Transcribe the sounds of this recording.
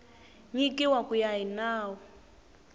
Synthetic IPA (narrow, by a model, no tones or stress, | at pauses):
ɲikiwakujaɦinaːwɔ